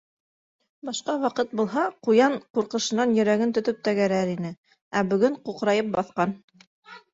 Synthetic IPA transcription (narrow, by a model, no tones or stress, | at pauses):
bɑʃqɑwɑqɤt̪̚bulˠɦɑqujɑɴquɾqɤ̆ʃɤ̆nɑnjɵ̆ɾæɡɘnt̪ɵ̆t̪ɵp̚t̪æɡæɾæɾinɘ | æbɵ̆ɡɵɴquqɾɑjɤp̚bɑθqɑn